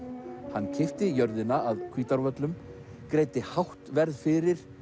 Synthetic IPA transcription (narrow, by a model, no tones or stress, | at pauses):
hanːcʰɪft̪ɪjœɾðɪnaaðkʰviːt̪aɾvœt̪lʏm | kɾeːjt̪ɪhawht̪vɛɾðfɪɾɪɾ̥